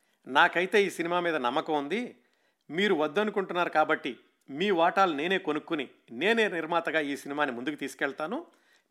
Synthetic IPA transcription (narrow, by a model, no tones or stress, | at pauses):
naːkɐjt̪e̞ːiːsinimaːmiːd̪ɐnɐmːɐkɐund̪i | miːɾuʋɐd̪ːɐnukuɳʈunːaːɾukaːbɐʈːi | miːʋaːʈaːlune̞ːne̞ːkonukːuni | ne̞ːneːniɾmaːt̪ɐɡaːiːsinimaːnimund̪ukut̪iːsu̥kɛɭt̪aːnu